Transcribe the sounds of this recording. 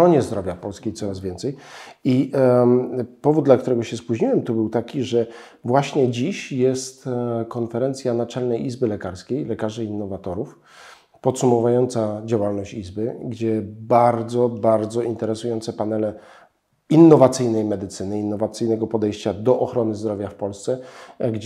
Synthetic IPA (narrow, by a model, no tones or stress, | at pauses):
ɾɔɲɛzd̪ɾɔvʲjapɔlskʲejt̪sɔɾazvʲɛnt̪sɛji | pɔvud̪̚d̪lakt̪uɾɛɡɔɕɛspuʑɲiwɛmt̪ɔbɘwt̪akʲiʐɛ | vwaɕɲɛd͡ʑiɕjɛst̪kɔnfɛɾɛnt̪sʲjanat͡ʂɛlnɛjizbɘlɛkaɾskʲejlɛkaʐɘinːɔvat̪ɔɾuf | pɔt̪sumɔvujɔnt̪sad͡ʑawalnɔɕt͡ɕizbɘɡd͡ʑɛbaɾd̪zɔbaɾd̪zɔint̪ɛɾɛsujɔnt̪sɛpanɛlɛ | inːɔvat̪sɘjnɛjmɛd̪ɘt̪sɘnɘinːɔvat̪sɘjnɛɡɔpɔd̪ɛjɕt͡ɕad̪ɔʔɔxɾɔnɘzd̪ɾɔvʲjafpɔlst̪sɛɡd͡ʑ